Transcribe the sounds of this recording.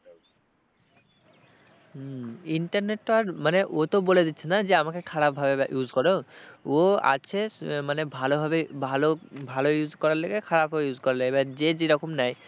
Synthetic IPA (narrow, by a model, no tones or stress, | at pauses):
iɳʈaɾneʈːaɾmaneʔot̪oboled̪it̪ːɕʰenad͡ʑeamakekʰaɾapbʱabejud͡ʑkɔɾeoa̰t͡ɕʰemanebʱalobʱabebʱalobʱalojud͡ʑkɔɾaɾloɡekʰaɾab̚bʱabejud͡ʑkɔɾaloebad͡ʑed͡ʑeɾɔkomnaj